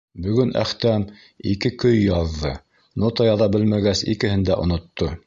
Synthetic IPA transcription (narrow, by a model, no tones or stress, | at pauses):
bɵ̆ɡɵnʔæ̰χt̪æm | ikɘkɵjːɑðːɤ | not̪ɑjɑðɑbɘlmæɡæsḭkɘ̆hɘ̆nd̪æʔŏ̰nŏt̪ːo